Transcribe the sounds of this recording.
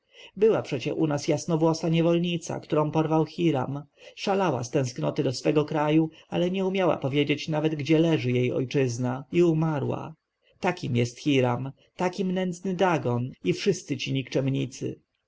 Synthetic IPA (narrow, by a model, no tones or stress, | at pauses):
bɘwapʂɛt͡ɕɛ̰ʔunasjasnɔvwɔsaɲɛvɔlɲit̪sa̰kt̪uɾɔ̃w̃pɔɾvawxʲiɾa̰mʂalawa̰st̪ɛ̃w̃sknɔt̪ɘd̪ɔsfɛɡɔkɾajualɛɲɛumʲjawa̰pɔvʲjed͡ʑet͡ɕnavɛd̪ɡd͡ʑɛlɛʐɘjejɔ̰jt͡ʂɘznaiumaɾwa̰ | t̪akʲimjɛst̪xʲiɾam | t̪akʲimnɛnd̪znɘd̪aɡɔnifʂɘst̪sɘt͡ɕiɲikt͡ʂɛmɲit̪sɘ̰